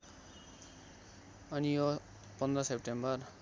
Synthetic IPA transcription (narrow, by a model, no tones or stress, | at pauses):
ʌnijo | pʌnd̪rʌsep̚ʈembʌr